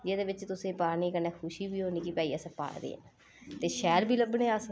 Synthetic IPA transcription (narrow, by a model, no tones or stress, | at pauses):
d͡ʒeːd̪eːbɪt͡ʃt̪ʊsẽːpaːniːkənːɛːkʰʊʃiːbiːɦoːniːkipɛːiːəsãpa̰ːɽd̪ḛːã̰ː | t̪eːʃɛːlbʱiːləbnẽːəs